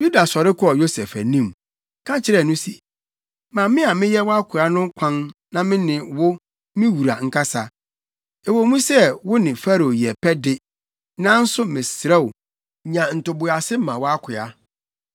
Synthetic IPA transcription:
ju˦da˨sɔ˨ɾɪ˦kʰʊ˦ɔ˨jo˦sɛ˨fæ̰˨nĩ˦m | kʰã˦t͡ɕʰɪ˦ɾɛ˦˨nʊ̃˦sɛ˨ | mã˨mɪ̃˦a˨mɪ̃˦jɛ˦wɔ˦a˦kʰʊ˨a˦nʊ̃˦kʷʰã˦nnã˦mɪ̃˦nɪ̃˨wʊ˦ | mɪ̃˦wu˨ɾa̰˨ŋ̩˦kʰa˦sa˨ | ɛ˨wo˨˦mũ˦sɛ˦wʊ˦nɪ̃˨fa˦ɾo˨jɛ˨pʰɛ˦dɪ˦ | nã˦n̩˦sʊ˦mɪ̃˨sɾɛ˦˨wʊ˨ | ɲã˨n̩˨tʊ˨bʊ˨a˨sɪ˦m˦mã˨wɔ˦a˦kʷʰʊ˨a˦

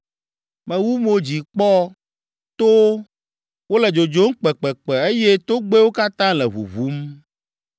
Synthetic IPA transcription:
mɛ̃˨wu˦mo˨d͡ʑi˨k͡pɔ˦ | t̪o˦ | wo˦lɛ˨d͡ʒo˨d͡ʒo˨˦ŋ̩˦k͡pɛ˨k͡pɛ˨k͡pɛ˨e˦jɛ˦t̪o˦ɡ͡be˦wo˦ka˦t̪ã˦lɛ˨βṵ˨vu˦m

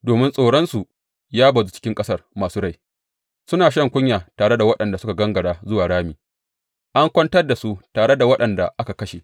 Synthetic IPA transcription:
doː˨mɪ˦nsʼoː˨ɽɔ˦nsu˨ | jaː˦bɐ˨zu˦t͡ʃɪ̥˦kʲɪ˦ŋkʼɐ˦sɐ˦˨rmaː˨suː˦ɽa˦˨j | sʊ˦naː˨ʃ̬ɐ˦˨ŋkʷʊ˦ɲjaː˨taː˨ɽe˦da˨wɐ˦ɗɐ˨nda˨sʊ˦ka˨ɡɐ˦ŋɡɐ˨ɽaː˨zʊ˦waː˨ɽaː˦miː˨ | ʔa˦ŋkʷɔ˦ntɐ˦rda˨su˦taː˨ɽe˦da˨wɐ˦ɗɐ˨nda˨ʔa˦ka˨kɐ˦ʃe˨

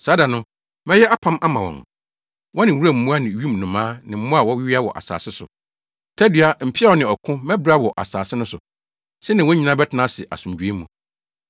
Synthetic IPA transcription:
saː˨˦da˨nʊ̃˦ | mɛ˦jɛ˦ʔa˦pʰã˦mʔa˦mã˨wɔ̰̃˨n˨ | wɔ̃˦nɪ̃˨wu˦ɾa˦˨m̩˦mũ˦a˦nɪ̃˨ɥi˦m˨nʊ̃˨mãː˦nɪ̃˨m̩˦mʊ̃˦a˨wɔ˦wɪ˦ɥi˦a˦wɔ̰˨ʔa̰˨sa̰ː˨sɪ˦sʊ̰˨ | tʰæ˦dɥa˦m̩˨pʰɪ˦a˦wɔ˦nɪ̃˨ɔ˨kʰʊ̃˦mɛ̃˦bɾa˦wɔ˨ʔa̰˨saː˨sɪ˦nʊ̃˦sʊ˨ | sɛ˦nɪ̃˨wɔ̃˦ɲĩ˨nã˦bɛ˦tʰɪ˨nã˦sɪ˨ʔa̰˨sũ˨md͡ʑᶣu˨e˦mũ˨

